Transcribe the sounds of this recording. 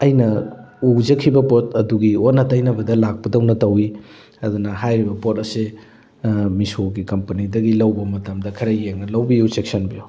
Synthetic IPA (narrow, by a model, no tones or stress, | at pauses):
ɐjnɐud͡ʒɐkʰibɐpot̚ɐduɡionːɐtɐjnɐbɐdɐlak̚pɐdɐwnɐtɐwi | ɐdunɐɦajɾibɐpotɐse | misoɡikɐmpɐnidɐɡilɐwbɐmɐtɐmdɐkʰɐɾɐjːeŋnɐlɐwbijut͡ʃek̚sɐnbiju